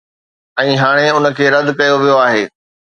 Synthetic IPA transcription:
ɛ̃ːɦaːɽ̃eʊnə̆kʰeːɾɐd̪kɐjoʋijoaːɦeː

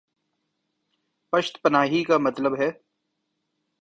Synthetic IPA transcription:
pɐʃt̪pɐnaːɦikamɐt̪ləbɦɛː

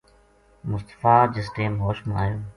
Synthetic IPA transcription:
mʊst̪ə̥faːd͡ʒɪs̬ʈeːmɦoːʃmaːjõː

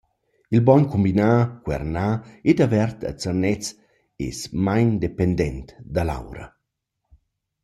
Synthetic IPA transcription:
ilbɔnkumbinaːkwɛ̰rnaːed̪avɛrt̪ʰa̰t͡sərnɛt͡s | ḛsmajnd̪epɛnd̪ɛnt̪d̪ala̰wɾɐ̰

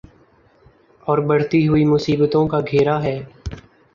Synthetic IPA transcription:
ɔːɾbəɽ̤t̪iɦʊiːmʊsiːbt̪õkaɡʱeːɾaɦɛː

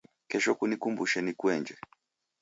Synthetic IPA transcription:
kɛʃɔkunikumbuʃɛnikwɛɲd͡ʒɛ

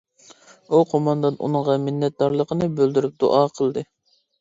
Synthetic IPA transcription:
uqʰomɑnd̪ɑnʔṵnɨɴʁɑmɪnːɛt̪̚d̪ɑɾlˠəqʰənɨbøld̪yɾyp̚d̪̥ṵʔɑqʰəlˠd̪ɨ

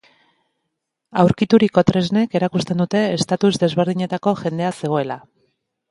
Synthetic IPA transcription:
awɾkit̪uɾiko̞t̪ɾe̞zne̞ke̞ɾakust̪e̞nd̪ut̪e̞ːst̪at̪uzd̪e̞zβe̞ɾð̞iɲe̞t̪ako̞ʝe̞nd̪e̞ase̞ɣ̞o̞e̞la

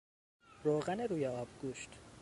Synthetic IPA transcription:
ɾoːɣæneɾuːjeɒːbɡuːʃt̪

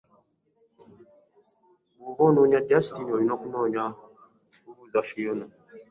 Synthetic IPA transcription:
wuβɔnoɲad͡ʒastinɔinɔkunɔɲa | uɾuzafijonɔ

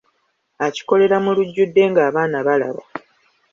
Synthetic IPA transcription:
aci̥ko̞le̞ɾamuluɟːudːe̞ːŋɡaːβaːnaβala̰βa̰

